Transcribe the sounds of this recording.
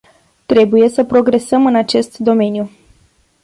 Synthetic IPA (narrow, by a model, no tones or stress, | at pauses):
t̪ɾe̞buje̞səpɾo̞ɡɾe̞səmɨnat͡ʃe̞st̪d̪o̞me̞nju